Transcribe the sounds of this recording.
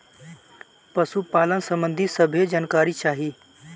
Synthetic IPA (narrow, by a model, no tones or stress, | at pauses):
pəsupaːlənsəmbə̃nd̪ʱisəbʱed͡ʒaːnkaːɾit͡ʃaːɦiː